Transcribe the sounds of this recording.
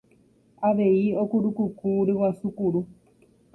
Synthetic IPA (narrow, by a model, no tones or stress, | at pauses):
aʋejiokuɺukukuɾiwasukuɺu